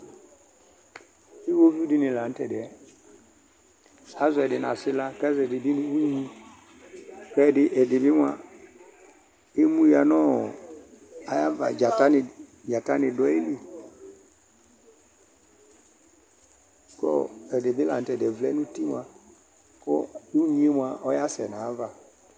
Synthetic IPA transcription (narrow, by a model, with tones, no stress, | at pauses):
i˦wo˦vi˦di˧˦nɪ̃˨la˨n̩˦tɛ˨dɛ˨ | a˦zɛ˨dɪ˨na˨sɪ˦la˧kɛ˦zɛ˨dɪ˨bi˦ni˧u˦ɲĩ˧ | kɛ˦˨dɪ˨ʔɛ˨dɪ˨bɪ˦mʷ˦a˧ | e˦mũ˦ja˨nɔː˦˨ | a˨ja˦va̰˨d͡ʒa˨ta˦nɪ˧d͡ʒa˨ta˦nɪ˧dɔ˦e˦li˨ | kɔ̰˦ɛ˨dɪ˨bɪ˦la˨n˨tɛ˨dɛ˨vlɛ˨˦nũ˦ti˦m˦a˧ | kɔ̰˦u˦ɲĩ˦mwa˧ʔɔ˦ja˦sɛ˨na˨a˦va˨